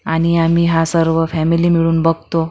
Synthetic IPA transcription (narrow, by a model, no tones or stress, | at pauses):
aɽ̃iamiɦasəɾʋəfɛmiliːmiɭuːnbəɡ̚t̪o